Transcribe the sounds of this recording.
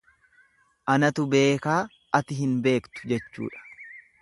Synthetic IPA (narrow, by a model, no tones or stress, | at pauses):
ʔɐnɐt̪ʊbe̞ːkaː | ʔɐt̪ɪɦɪnbe̞ːkt̪ʊ̥d͡ʒɛt͡ʃːṵːᶑɐ̥